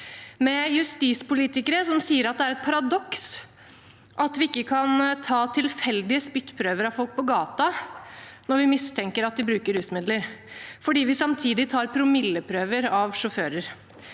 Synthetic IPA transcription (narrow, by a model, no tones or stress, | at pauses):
mɛjʉst̪iːspʊliːt̪ɪkəɾəsɔmsiːəɾɑt̪̚d̪ɛæɾɛt̪̚pʰɑɾɑd̪ɔks | ʔɑt̪ʋɪɪkːəkʰɑnt̪ʰɑːt̪ʰɪlfɛld̪ɪəspʏt̪ːpʰɾøːʋəɾɑʋfɔlk̚pʰɔɡɑːt̪ɑ | nɔɾʋɪmɪst̪ʰɛŋkəɾɑt̪̚d̪ɪbɾʉːkəɾhʉːsmɪd̪ləɾfɔɖiːʋɪsɑmt̪ʰiːd̪ɪt̪ʰɑːɾpʰɾʊmɪlːəpʰɾøːʋəɾɑʋʂɔføːɾəɾ